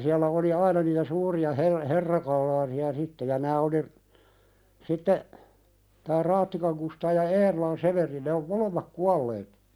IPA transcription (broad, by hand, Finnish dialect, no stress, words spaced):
siælːæ oli ɑinɑ niːtæ suːriɑ her herːɑkɑlˑɑːsiɑ sitːe jɑ næː oli sitːe tæː rɑːtːikɑŋ kustɑː jɑ eːrolɑn seʋeri ne om molemːɑk kuɑlːeːt